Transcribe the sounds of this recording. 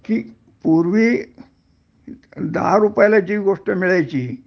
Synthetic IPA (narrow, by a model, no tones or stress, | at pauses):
ki | puɾʋiː | d̪ə̰ɦaɾupjalad͡ʑiːʋɡoʂʈəmiɭajt͡ɕiː